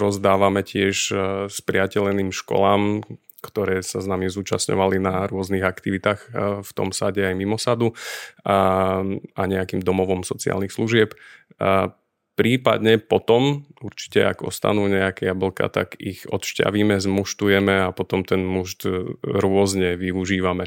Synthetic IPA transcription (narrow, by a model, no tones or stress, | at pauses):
ɾɔzd̪aːʋamɛcɪɛʃspɾɪacɛlniːmʃkɔ̰laːm | kt̪ɔɾɛːsaznamizuːt͡ʃasɲɔ̰ʋalinaɾʊɔzniɣakt̪iʋit̪aːxft̪ɔ̰msaɟɛajmimɔsad̪u | ʔaɲɛakiːmd̪ɔmɔʋɔmsɔt͡sia̰lnixsluʒɪɛp | pɾiːpa̰d̪ɲɛpɔt̪ɔmuɾt͡ʃi̥cɛa̰ɡɔ̰st̪a̰nuːɲɛakɛabl̩ka̰t̪akḭɣɔ̰t̪ʃca̰ʋiːmɛzmuʃt̪ujɛmɛapɔt̪ɔmt̪ɛnmuʃt̪ɾʊɔzɲɛʋiuʒiːʋamɛ